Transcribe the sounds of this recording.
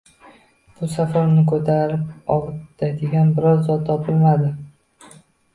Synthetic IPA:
b̥ʊsafaɾnɪkʰɵt̪ʰaɾɪp̚ɒʁɨd̪ad̪eɡʲanbɪɾɒɾzɒt̪ʰːɒpɪlmad̪ɪ

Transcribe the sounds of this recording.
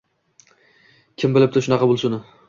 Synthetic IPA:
kʲʰɪmbɪlɪp̚t̪ɪʃʊnɑqʰɑbʊlˠsʊnɪ

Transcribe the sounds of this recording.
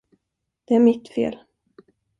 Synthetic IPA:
d̪̥ɛæɾmɪt̪fḛːl

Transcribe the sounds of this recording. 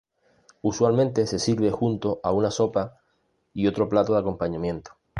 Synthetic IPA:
uswalmẽnt̪e̞se̞siɾβe̞xunt̪o̞ʔaunaso̞pa | io̞t̪ɾo̞plat̪oðako̞mpaɲãmjẽ̞nt̪o̥

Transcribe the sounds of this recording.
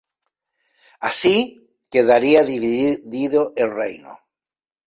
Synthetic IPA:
asi | keðaɾiaðiβðiðoʔelrḛjno̰

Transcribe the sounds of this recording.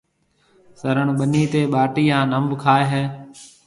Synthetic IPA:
səɾəɳ̃ɓəniːt̪eːɓaːʈiːãːnəmbkʰaːeːɦeː

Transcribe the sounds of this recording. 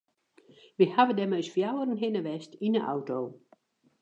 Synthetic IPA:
ʋihaʋədɛmøjsfjawərən̩ɦɪnəʋɛstinəʔa̰wtoː

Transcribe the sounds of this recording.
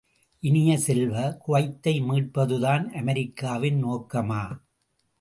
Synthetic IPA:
ʔɪnɪjɐsɛlʋɐkʊʋɐɪt̪ːɐɪmiːʈ̚pɐðɯðaːnʔɐmɐɾɪkːaːʋɪnnoːkːɐmaː

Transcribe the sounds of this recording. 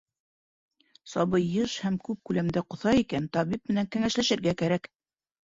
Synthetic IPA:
sɑβbɤjːɤʃhæmkʉp̚kʉlæmd̪æqŏθɑikænt̪ɑβip̚mɘ̆næŋkæŋæʃlæʃɘ̆ɾɡækæɾæk

